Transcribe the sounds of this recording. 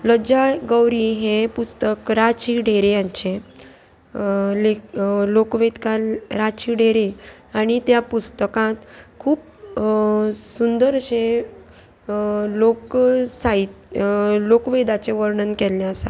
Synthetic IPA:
ləd͡ʑaɡəwɾiɦẽpust̪əkɾat͡ɕiɖ̤ʱeɾejaɲt͡ɕẽ | lelokʋed̪kalɾat͡ɕiɖʱeɾe | aɽ̃it̪japust̪əkãt̪kʰuːp | sund̪əɾɕẽ | loksait̪lokʋed̪at͡seʋəɾɳənkɛljaəsa̰

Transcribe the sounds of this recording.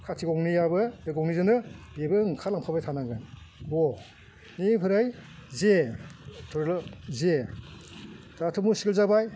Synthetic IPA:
kʰatʰiɡɔŋnijabɯɯɡɔŋnizɯnɯbebɯŋkʰalaŋpʰabajtʰanaŋɡɯn | bɔ | nipʰɯɾajze | tʰɔɾlɔze | d̥atʰɯmusiɡɯlzabaj

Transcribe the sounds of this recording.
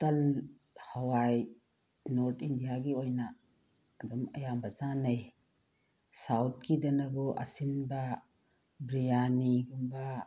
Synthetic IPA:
tɐl | hɐwaj | noɾt̪ʰindijaɡiojnaː | dumɐjambɐzanej | sawt̚kidɐnɐbuʔɐ̰sinba | bɾijaniɡumba

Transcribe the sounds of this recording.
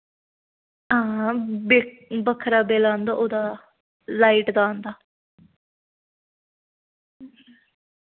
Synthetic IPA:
aːbebəkʰɾaːbeːlaːnd̪aːʔoːd̪aː | laːiʈd̪aːnd̪aː

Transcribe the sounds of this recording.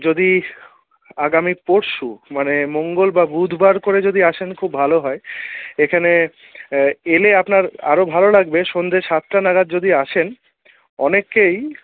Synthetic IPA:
d͡ʑod̪i | aɡamipoɾʃumanemoŋɡolbabud̪ʱbaɾkoɾed͡ʑod̪iaʃʰenkʰubːʱaloɦɔeekʰane | eleapnaɾa̰ɾobʱalolaɡbeʃond̪ʱeʃat̪ːɾanaɡad̪̚d͡ʑod̪iaʃʰen | ɔnekːej

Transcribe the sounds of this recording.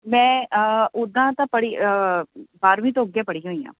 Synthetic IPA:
mɛ̃ːəʊd̪ãːt̪ãːpəɽiː | baːɾʋĩːt̪õːəɡjaːpəɽiːɦoːiːã̰ː

